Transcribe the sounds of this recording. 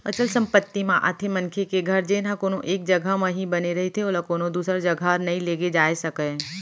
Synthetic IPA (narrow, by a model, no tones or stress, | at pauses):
ɐ̰t͡ʃəlsɐ̃mpət̪ːimãʔa̰t̪ʰemɐ̃nkʰekeɡʱɐɾd͡ʒeːnãkoːnoʔeːk̚d͡ʒɐɡʱamə̃ɦibɐneɾɐɦet̪ʰeoːlakoːnõd̪uːsɾad͡ʒɐɡʱanɐɦĩleːɡed͡ʒaːesɐkə